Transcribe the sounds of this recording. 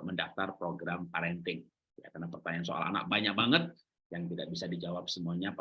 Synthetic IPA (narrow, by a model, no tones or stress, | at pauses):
məndaft̪arpɾoɡɾampaɾɛnt̪ɪŋ | jakarnapərt̪aɲansoʔa̰la̰na̰k̚baɲak̚baŋət̪̚ | jaŋt̪idak̚bisadid͡ʒawap̚səmuaɲap